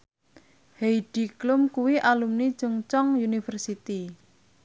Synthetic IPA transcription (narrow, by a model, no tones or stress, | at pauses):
hejɖ̥i̤klʊmkuwiʔalumni̥t͡ʃəŋt͡ʃɔŋjunifərsit̪i